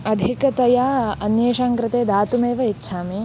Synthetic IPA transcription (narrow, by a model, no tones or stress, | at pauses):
ɐd̪ʱikɐt̪ɐjaːɐnjɐːʃaːŋkɾɪt̪eːd̪aːt̪umeːʋɐitːʃʰaːmi